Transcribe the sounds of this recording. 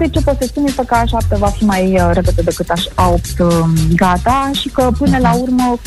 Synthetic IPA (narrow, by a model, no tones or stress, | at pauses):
d̪et͡ʃe̞pot̪seəspunesəkəaʃap̚t̪əvafimajɾeped̪əd̪ekɨt̪aʃaop̚t̪ɡat̪aʃikəpɨnəlaurmə